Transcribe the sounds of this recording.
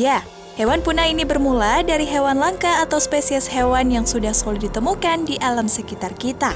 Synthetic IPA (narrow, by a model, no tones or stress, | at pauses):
ja | hewanpunainibərmuladaɾiɦewanlaŋkaːt̪awspesiɛshewanjaŋsudahsolidit̪əmukandiʔalamsəkit̪arkit̪a